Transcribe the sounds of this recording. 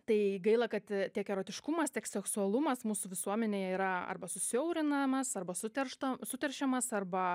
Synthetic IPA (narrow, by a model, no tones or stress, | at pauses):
t̪ɐɪɡɐɪlˠɐkɐt̪tʲiɛkɛɾoːt̪ʲɪʃkʊmɐst̪ʲiɛksʲɛksʊɐlˠʊmɐsmuːsʊʋʲɪsuɔmʲɛnʲeːjɛiːɾɐɐ̰rbɐsʊsʲoʊɾʲɪnɐmɐsɐrbɐsʊt̪ʲɛrʃt̪ɐsʊt̪ʲɛrʲʃʲɛmɐsɐrbɐ